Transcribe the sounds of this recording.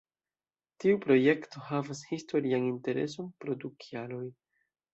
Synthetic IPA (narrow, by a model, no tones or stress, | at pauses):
tiupɾo̞je̞kto̞havashisto̞ɾianinte̞ɾe̞̰s̬o̞npɾo̞dukʰialo̞j